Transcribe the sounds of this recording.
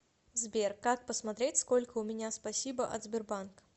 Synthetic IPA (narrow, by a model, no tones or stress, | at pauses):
zʲbʲerkːak̚pəsmɐt̪ɾʲetʲskolʲkəʊmʲɪnʲaspɐsʲibəʔɐ̰t̪zʲbʲɪrbank